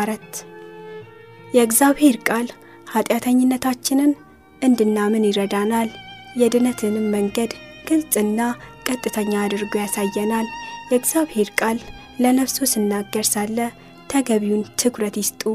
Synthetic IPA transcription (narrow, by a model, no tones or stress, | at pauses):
ɾət̪ | jɛɨɡzaβhe̞ɾkʼal | hat̪ʼjat̪ʰəɲːɪnːət̪ʰat͡ʃːɪnɨn | ʔɨnd̪ɨnːamɨnjɪɾəd̪anal | jɛd̪ɨnət̪ʰɨnməŋɡəd̪ɡ̥ɨlt͡sʼɨnːakʼət̪ʼːɨt̪ʰəɲːaːd̪ɨɾɡojasajːɛnaljɛɨɡzaβhe̞ɾkʼalː | ənəβso̞sɨnːaɡːəɾsalːə | t̪ʰəɡəβiwunt̪ʰɨkɾət̪jɪst̪ʼu